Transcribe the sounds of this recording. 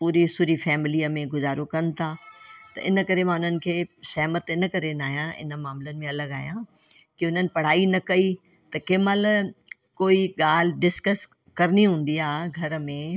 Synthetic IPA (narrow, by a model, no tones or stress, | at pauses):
puːɾisʊːɾifɛːmɪliəmẽɡʊzaːɾokɐnɪt̪ʰat̪ɐ̰ʔɪ̰nə̆kɐɾemãʊn̤ənɪ̆kʰeːsɛːmət̪ɪnə̆kɐɾenaːɦjãɪ̰nə̆maːmlənɪ̆mẽɐləɡaːɦijã | kɪʊn̤ənɪ̆pɐɽ̤aːinɐkɐi | t̪ɐkɪːməl | koːiɠaːl̤ɪɖɪskəs | kɐɾɪniɦũːn̆d̪iaːɡʱɐɾəmẽ